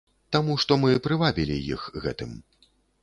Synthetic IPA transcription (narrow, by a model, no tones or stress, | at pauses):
t̪amuʂt̪ɔmɨpɾɨvabʲilʲḭjḭxɣɛ̰t̪ɨm